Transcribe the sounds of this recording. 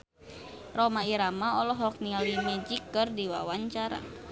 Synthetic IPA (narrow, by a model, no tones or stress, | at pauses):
rɔmaiɾamaɔlɔɦɔk̚nialimɛd͡ʒikːɨrdiwa̰waɲt͡ʃaɾa̰